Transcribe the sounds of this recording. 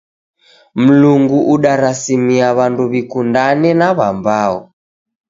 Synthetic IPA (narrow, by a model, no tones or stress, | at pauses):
m̩luŋɡuʔuɗaɾasimiaβanduβikundanɛnaβambaɔ